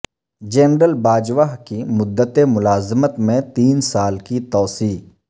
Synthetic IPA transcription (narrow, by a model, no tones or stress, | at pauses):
d͡ʒɛːnɾəlbaːd͡ʒʋaːɦkimʊd̪ːət̪emʊlaːzmət̪mẽt̪iːnsaːlkit̪ɔːsiː